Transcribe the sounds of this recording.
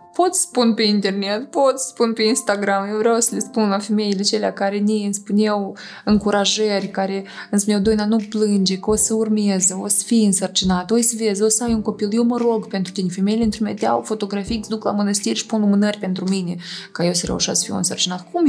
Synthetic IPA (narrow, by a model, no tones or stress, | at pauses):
po̞t̪sə̥spunpe̞int̪ernet̪po̞t̪sspunpe̞inst̪aɡɾamjewvɾʲawsəlespunlafeme̞jilet͡ʃe̞leakaɾenʲiɨnspunew | ɨŋkuɾaʒərʲkaɾe̞ɨnspunewd̪ojnanuplɨnd͡ʒe̞kəosəurmezəosə̥fijɨnsərt͡ʃinat̪ojsəvezosəajunko̞piljewməɾo̞ɡpe̞nt̪ɾu̥t̪inʲefemejilent̪ɾumet̪ʲa̰wfo̞t̪o̞ɡɾafiksʲd̪ukla̰mənəst̪irʲʃi̥punlumɨnərʲpe̞nt̪ɾuminekajewsəɾḛṵʃasə̥fḭjṵnsərt͡ʃinat̪kum